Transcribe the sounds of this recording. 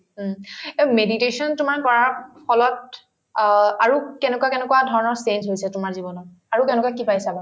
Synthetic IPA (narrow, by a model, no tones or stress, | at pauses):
emeditesɔntʊmankɔɹapʰɔlɔt̚ | aɹukɛnɛkuwakɛnɛkuwadʱɔɹɔnɔɹsentɦojsɛtʊmaɹzibɔnɔ | aɹukɛnɛkuwakipajsabɔ